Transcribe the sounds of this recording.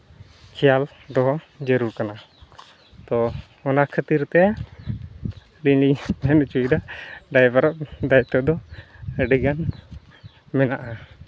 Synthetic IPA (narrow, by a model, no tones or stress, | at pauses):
kʰɛjal | d̪ɔɦɔ | d͡ʒəɾuɾkana | t̪ɔ | ɔnakʰət̪iɾt̪ɛ | ɖinimɛnt͡ʃuiɖaɖajbaɾɔʔd̪ajt̪ɔd̪ɔɖiɡan | mɛnaʔa